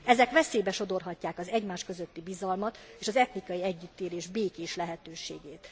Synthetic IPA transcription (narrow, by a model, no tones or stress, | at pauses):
ɛzɛkʋɛseːbɛʃo̞d̪o̞rɦɒcːaːkɒzɛɟmaːʃkø̞zøt̪ːibizɒlmɒt̪eːʃɒzɛt̪nikɒjiɛɟːyt̪ːeːleːʒbeːkeːʃlɛɦɛt̪øːʃeːɡeːt̪